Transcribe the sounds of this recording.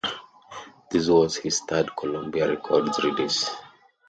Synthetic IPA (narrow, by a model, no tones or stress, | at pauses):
d̪̥is̬wɔzhizt̪ʰadkʰɔlɔ̃mbiaɹɛkʰɔdzɹidis